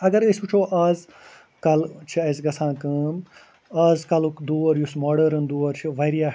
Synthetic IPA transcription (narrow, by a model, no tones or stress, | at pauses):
ɐɡɐɾesbut͡ʃʰoːʔaːz | kɐlt͡ʃʰiɐzɡɐsʰãːkɐm | aːzkɐlukd̪uːɐɾjusmoːɖɐɾɐnd̪uːɐɾt͡ʃʰiʋɐɾijaː